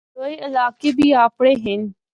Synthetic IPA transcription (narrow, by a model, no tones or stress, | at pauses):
d̪oːeɪlaːkebʱiːaːpɽ̃eɦɪn